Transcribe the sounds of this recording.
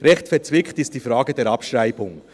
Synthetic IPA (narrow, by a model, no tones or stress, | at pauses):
ɾɛxtfɛɾt͡sʋɪktɪst̚d̥iːfɾɑːɡədeːɾɑpʃraɪbʊŋ